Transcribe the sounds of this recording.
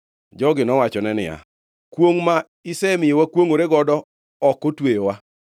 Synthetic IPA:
d͡ʒɔɡɪnɔwat͡ʃɔnɛnɪ̰ja̰ | kwoŋma | ɪsɛmɪjewakwoŋoɾeɡɔdɔ | ɔkːotwejowa

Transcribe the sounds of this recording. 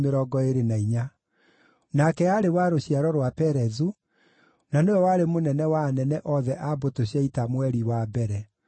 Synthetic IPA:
meɾɔːɡɔeɾenaiɲa | nakɛaɾewaɾoɕiaɾɔɾwapɛɾɛzu | naneɔwaɾemonɛnɛwanɛnɛʔɔðɛʔabotoɕjaitamwɛɾiwabɛɾɛ

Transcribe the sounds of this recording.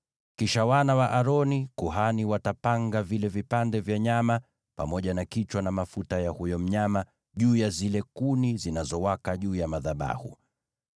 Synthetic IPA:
kiʃawanawaʔaɾɔnikuɦaniwatapaŋɡavilɛvipandɛvjaɲama | pa̰mɔʄanakit͡ʃwanamafutajahujɔm̩ɲama | ʄuːjazilɛkunizinazɔwakaʄuːjamaðaɓa̰hṵ

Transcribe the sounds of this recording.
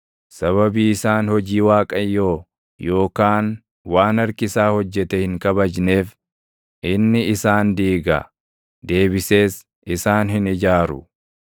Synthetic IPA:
sɐβɐbiːɪsaːnhɔd͡ʒiːwaːkʼɐjːo̞ː | jo̞ːkaːn | waːnɐɾkɪsaːhɔd͡ʒːɛt̪ɛhɪŋkɐbɐd͡ʒne̞ːf | ʔɪnːɪɪsaːnd̪iːɡɐ̰ | d̪e̞ːbɪse̞ːs | ʔɪsaːnɦɪnɪd͡ʒaːɾʊ̰

